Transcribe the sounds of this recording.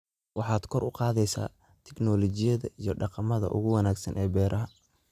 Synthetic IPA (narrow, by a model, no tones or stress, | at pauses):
wɑħɑːd̪kʰɔrʔʊqɑːðɛjsa̰ː | t̪ʰɛɡnɔːlɔt͡ʃɪjɐðɐijɞɖɑqɑmɐðɐ̰ʔʊ̰ɣʊwɑnaːɡsɐnʔɛːbɛːɾʔɐɦɐ